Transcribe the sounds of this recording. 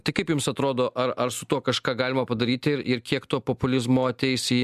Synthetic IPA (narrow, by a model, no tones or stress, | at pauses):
t̪ɐɪkɐɪpjʊmsɐt̪ɾoːd̪oːʔɐɾɐɾsʊt̪uɔkɐʃkɑːɡɑːlʲɪmɐpɐd̪ɐɾʲiːt̪ʲɪɾɪɾkʲiɛkt̪oːpoːpʊlʲɪzmoːɐt̪ʲɛɪsʲɪ